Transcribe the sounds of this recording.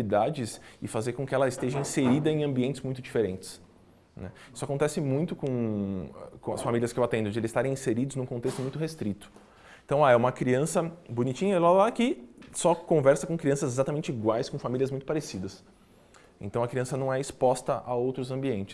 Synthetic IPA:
id̪ad͡ʒɪsɪfazeɾkõkɪɛlɐɪst̪eʒɐĩseɾid̪ɐẽj̃ɐ̃mbiẽnt͡ʃɪ̥zmũj̃t̪ʊd͡ʒifeɾẽnt͡ʃɪ̥s | nɛ̰isʊakõnt̪ɛsɪmũj̃t̪ʊkõ | kõɐsfamiliɐskɪewat̪ẽnd̪ʊd͡ʒɪelɪzɪst̪aɾẽĩseɾid̪ʊznũkõnt̪est̪ʊmũj̃t̪ʊɦest̪ɾit̪ʊ̥ | ẽt̪ɐ̃w̃aɛũmɐkɾiɐ̃sɐbonit͡ʃĩɲɐlalakɪsɔkõvɛɾsɐkõkɾiɐ̃sɐzezat̪amẽnt͡ʃɪiɡwajskõfamilʲiɐzmũj̃t̪ʊpaɾesid̪ɐs | ḛ̃nt̪ɐ̃w̃ɐkɾiɐ̃sɐnɐ̃w̃ɛɪspɔst̪ɐʔa̰owt̪ɾʊzɐ̃mbiẽnt͡ʃɪ̥

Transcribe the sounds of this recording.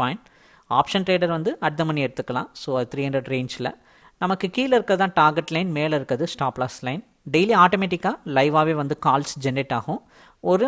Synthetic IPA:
aːɪn | aːpʂɐnʈɾeːɖɐɾʋɐnd̪ɯʔɐɽɯt̪ːɐmɐniɛɽɯt̪ːɯkːɐlãːsoːɐðɯt̪ɪɾiːɦɐɳdɾɐɖɾeːnd͡ʒɪlɐ̰ | nɐmɐkːɯkiːlɪɾɯkːɐðɯt̪ãːʈaːɾɡɛʈːlɐɪnmeːlɪɾɯkːɐðɯsʈaːplɐːslɐɪn | ɖɛɪliaːʈomeːʈɪkːaːlɐɪʋaːʋeːʋɐnd̪ɯkaːlsd͡ʒɛnːɪʈːaːɣʊ̃ | ɔɾɯ

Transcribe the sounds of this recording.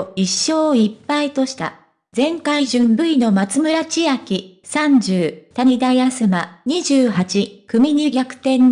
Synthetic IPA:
iɕːo̞ːipːait̪o̞ɕi̥t̪a̰ | zẽ̞ŋkaiʑɨ̃mbɯ̟ino̞mat͡sɨmɯ̟ɾat͡ɕiakʲi | sãɲd͡ʑɨːt̪aɲ̟id̪ajasɨmaɲ̟iʑɨːɦat͡ɕikɯ̟mʲiɲiɡʲakɯ̟̥t̪ẽ̞n

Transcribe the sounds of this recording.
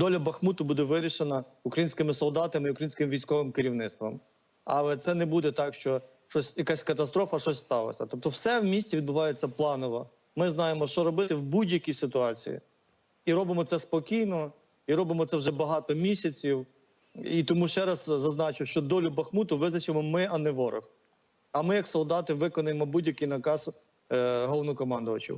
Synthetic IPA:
d̪ɔlʲɐbɐxmut̪ʊbud̪ɛʋɪɾʲiʃenɐ | ʊkɾɐjinsʲkɪmɪsɔlˠd̪ɑt̪ɐmɪiʊkɾɐjinsʲkɪmʋʲijsʲkɔʋɪmkeɾʲiwnɪt̪t̪ʋɐ̰m | ɑ̰lˠɛt̪sɛnɛbud̪ɛt̪ɑkʃt͡ʃɔ | ʃɔsʲjɐkasʲkɐt̪ɐst̪ɾɔfɐʃɔsʲst̪ɑlˠɐ̰sʲɐ̰t̪ɔp̚t̪ɔwsɛwmʲisʲt͡sʲiʋʲid̪̚bʊʋɑjet͡sʲːɐplˠɑnɔʋɐ | mɪznɑjemɔʃt͡ʃɔɾɔbɪt̪ɪwbudʲjɐkʲisɪt̪ʊɑt͡sʲḭjḭ | iɾɔbɪmɔt̪sɛspɔkʲijnɔ | iɾɔbɪmɔt̪sɛwʒɛbɐɦɑt̪ɔmʲisʲɐt͡sʲiw | it̪ɔmuʃt͡ʃɛɾɐzzɐznɑt͡ʃɪwʃt͡ʃɔd̪ɔlʲʊbɐxmut̪ʊʋɪznɐt͡ʃɪmɔmɪɐnɛʋɔɾʔɔ̰x | ɐmɪjɐksɔlˠd̪ɑt̪ɪʋɪkɔnʊjemɔbudʲjɐkɪjnɐkɑz | ɦɔlˠnɔkɔmɑnd̪ʊʋɐt͡ʃḭw

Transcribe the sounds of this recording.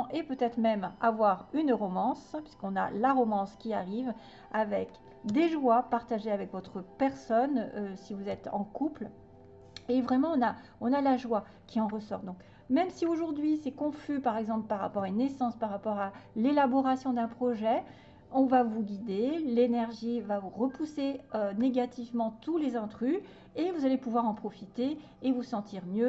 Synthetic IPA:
ʔepøt̪ɛt̪χmɛmavwaʁynʁɔmɑ̃spɥiskɔ̃na̰laʁɔmɑ̃skʲiaʁiv | avɛk | d̪eʒwapaʁt̪aʒeavɛkvɔt̪χəpɛʁsɔnøsivuzɛt̪ɑ̰̃kupl | evʁɛmɑ̃ɔ̃naɔ̃nalaʒwa | kʲiɑ̃ʁəsɔʁd̪ɔ̃k | mɛmsioʒuʁd̪ɥisɛkɔ̃fypaʁɛɡzɑ̃plpaʁa̰pɔʁaynːɛsɑ̃spaʁapɔʁalelabɔʁasjɔ̃d̪ɛ̃pχɔʒɛ | ɔ̃vavuɡʲid̪elenɛʁʒivavuʁəpuseøneɡat̪ʰivmɑ̃t̪ulezɑ̃t̪χy | evuzalepuvwaʁɑ̃pχɔfit̪eː | vusɑ̃t̪iʁmjø

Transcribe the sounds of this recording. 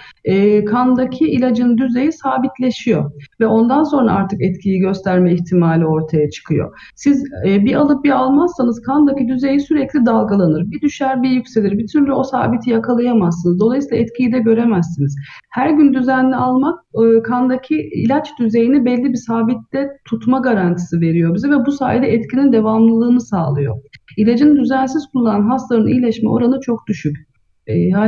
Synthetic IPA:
ɛːkʰand̪acʰiilʲad͡ʒɯnd̪yze̞jisaːbit̪ʰlʲe̞ʃijo̞vɛo̞nd̪anso̞nɾa̰aɾt̪ʰɯkɛt̪cʰijiɟø̞st̪ʰæɾmɛiçt̪ʰimaːlʲio̞ɾt̪ʰajat͡ʃʰɯ̥kʰɯjo̰ | sizbialˠɯp̚bialˠmazsanɯz̥kʰand̪acid̪yze̞jisyɾɛclʲid̪alˠɡalˠanɯɾbid̪yʃæɾbijycʲse̞lʲiɾbit̪ʰyɾlʲyo̞sa̰ːbit̪ʰijakʰalˠajamasɯnɯzd̪olˠajsilˠaɛt̪cʰijid̪ɛɟø̞ɾe̞mæzːinizhæɾɟynd̪yzænlʲialˠmak̚ːkʰand̪acʰiḭlʲat͡ʃd̪yze̞jinibɛlʲːibisaːbit̪lɛt̪ʰut̪maɡaɾant̪ʰi̥sɯve̞ɾijo̞bizɛvɛbusa̰ːjd̪ɛɛt̪cʰinind̪e̞vamlˠɯlˠɯːnɯsaːlˠɯjo̞̰ilʲad͡ʒɯnd̪yzænsiz̥kʰulˠuːaanɦasˠaɾɯnḭjlʲɛʃmɛo̞̰ɾanɯt͡ʃʰok̚d̪̥yʃycː | a

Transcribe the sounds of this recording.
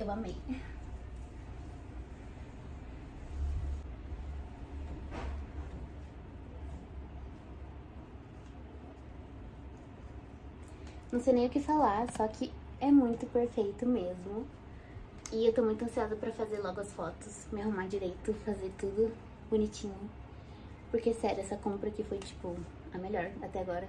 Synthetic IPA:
ewɐmẽj̃ | nɐ̃w̃sejnẽj̃ʊkɪfalaɾsɔkʰɪɛmũj̃t̪ʊpeɾfejt̪ʊmezmʊ | ɪewt̪owmũj̃t̪ʊɐ̃siad̪ʊpɾɐfazeɾlɔɡʊɐsfɔt̪ʊsmɪaɦũmaɾd͡ʒiɾejt̪ʊfazeɾt̪ud̪ʊ | bunit͡ʃĩɲʊ | poɾkesɛɾʊɛsɐkõmpɾɐkɪfojt͡ʃi̥pʊ | ɐmeʎɔɾat̪ɛaɡɔɾɐ

